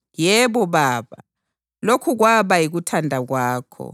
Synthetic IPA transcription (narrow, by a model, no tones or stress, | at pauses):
jɛɓɔɓaːɓa̰ | lokʰuk̬waɓajik̬utʰandʱak̬waːkʰɔ̰